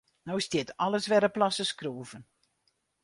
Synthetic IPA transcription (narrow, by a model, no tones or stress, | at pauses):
nowstjɪtɑləsʋɛɾəplɑsəskruəvən